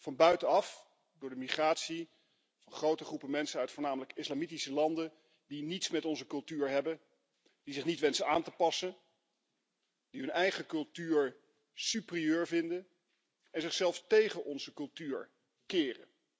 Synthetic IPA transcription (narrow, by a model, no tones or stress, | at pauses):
v̥ɑnbœɥtənɑf | dʊːɹdəmiχraːtsi | v̥ɑnχrowtəχrupəmɛnsənœɥtfʊːɹnaːmələkɪslamitisəlɑndən | dinitsmɛtɔnzəkɵlˠtyːɹɦɛbən | d̥izɪχnitʋɛnsənaːntəpɑsən | diɦɵnɛjχəkɵlˠtyːɹ | sypriøːɹvɪndən | ɛnzɪχsɛlˠfstejχənʔɔnzəkɵlˠtyːɹ | kɪːrə̰